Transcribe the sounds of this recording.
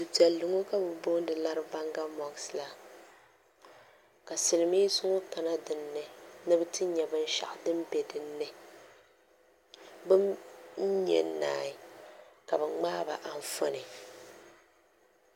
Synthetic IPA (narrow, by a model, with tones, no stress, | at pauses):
du˨d͡ʒɛ˨lːɨ˨ŋo˦ka˦bɨ˦bo˦n˦dɨ˨la˦ɾɨ˦ba˦ŋɡa˦mɔ˨ɡsla˦ | ka˨sɨ˨lɨ˨mi˦zʊ˦ŋo˦ta˨na˦dɨ˨nːɨ˨nɨ˦bɨ˦tɨ˦ɲɛ˨bɨ˦n̩˦ʃa̰˨ʔdɨ˦m˦bɛ˨dɨ˨nːɨ˦ | bɨ˦m̩˦ | ɲɛ̰˨nːa̰ː˨ɪ˨ka˨bɨ˨ŋ͡maː˦ba̰˨ʔa˨ɱ˨fo˦nɨ˨